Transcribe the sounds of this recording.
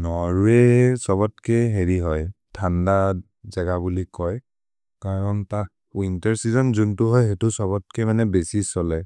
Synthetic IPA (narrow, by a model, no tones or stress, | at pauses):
nɔɹuesɔβɔt̚keɦeɹiɦɔjtʰanda | zɛɡabulikɔj | kaɹɔnta | wintɛɹsizɔnzuntʊɦɔjɦetʊsɔβɔt̚kemanɛbesisɔlɛ